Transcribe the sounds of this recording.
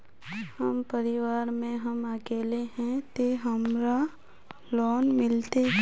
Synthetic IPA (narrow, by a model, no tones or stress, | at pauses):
həmpəɾɪʋaːɾmẽɦəməkeːleɦɛ̃t̪eɦəmɾa | lɔːnmɪlt̪e